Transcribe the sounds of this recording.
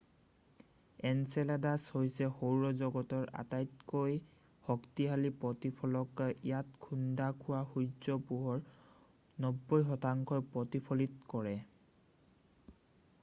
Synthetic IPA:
ɛnsɛladashojsɛxowɹɔzɔɡɔtɔɹa̰tajtkoj | hɔktiɦalipɹɔtipʰɔlɔkijatkʰundakʰʊwaxuzɔpuɦɔɹ | nɔbːɔjxɔtaŋkʰɔpɹɔtipʰɔlitkɔɹɛ

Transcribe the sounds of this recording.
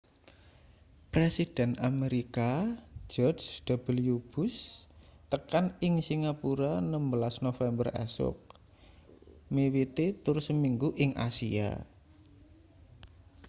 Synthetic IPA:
pɾesid̥ɛ̤nameɾikad͡ʒ̥ɔrd͡ʒd̪̥a̤b̥əljub̥ʊ̤st̪əkanɪŋsiŋapuɾanəmbəlasnofɛmbərɛ̰sʊ̰k̚ | mewit̪et̪ʊrsəmiŋɡuʔɪŋʔa̰sḭa̰

